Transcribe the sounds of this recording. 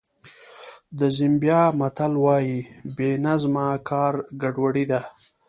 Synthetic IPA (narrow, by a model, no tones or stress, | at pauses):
d̪əzɪmbjɑːmat̪alwɑjibenazmɑkʰɑːɾɡaɖwaɽid̪a